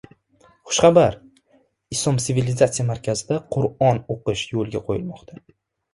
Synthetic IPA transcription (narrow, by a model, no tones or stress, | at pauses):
χʊ̥ʃχabaɾ | ɪslɒmt̪sɪvilɪzat̪sɪijamaɾkʲʰazɪd̪aqʰʊɾɒnoqɨʃjolˠɡʲaqʰo̰jɪlmɒqt̪ʰa